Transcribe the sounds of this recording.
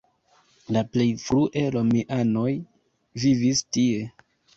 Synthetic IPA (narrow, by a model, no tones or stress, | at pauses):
laple̞jfɾuʔelomiʔano̞j | vivistie̞